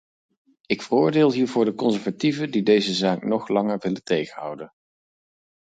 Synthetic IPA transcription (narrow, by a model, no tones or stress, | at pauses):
ɪkfərʊːɹdɪːlˠɦiːɹvʊːɹdəkɔnzɛɹvativədidejzəzaːknɔχlɑŋəɹʋɪləntejχənɦʌ̰wdən